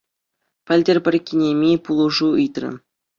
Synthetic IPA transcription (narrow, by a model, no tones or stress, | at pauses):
pʲɘ̆lʲdʲĕrʲpʲɘ̆rʲkʲinʲemʲepulˠuʐuɯjt̪rʲɘ̰̆n